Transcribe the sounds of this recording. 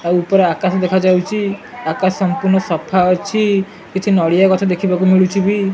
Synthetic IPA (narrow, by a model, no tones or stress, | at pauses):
aupɔɾeakasɔd̪ekʰad͡ʒawt͡ʃʰi | akassɔmpuɾnɔsɔpʰaɔt͡ʃʰi | kit͡ʃʰinɔɽijakɔt̪ʰad̪ekʰibakumiɭut͡ʃʰibi